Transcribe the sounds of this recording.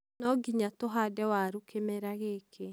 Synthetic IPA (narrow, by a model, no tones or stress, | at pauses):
nɔɡiɲatoɦadɛwaɾukʰemeɾaɣekʰe